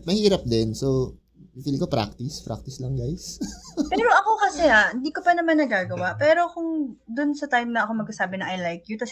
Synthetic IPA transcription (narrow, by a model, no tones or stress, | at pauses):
mɐhiːɾɐp̚d̪ɛnso | iɡ̚wiːlikopɾa̰k̚t̪ɪspɾa̰k̚t̪ɪslɐŋɡajspɛɾoʔɐko̞kɐsɛhaʔhɪnd̪iːko̞pɐnɐmanːɐɡaːɡɐwaʔpɛːɾo̞kʊŋd̪ʊnsɐt̪ajmnɐʔɐko̞mɐɡ̚sasaːbɪnɐŋʔɐjlajkjut̪ɐs